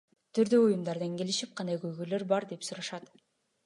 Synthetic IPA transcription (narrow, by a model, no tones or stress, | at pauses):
t̪ʰyɾd̪øujumd̪ɑɾd̪ɑŋke̞liʃip̚qʰɑnd̪ɑjɡøjɡøjløɾbɑɾd̪e̞psuɾɑʃɑt̪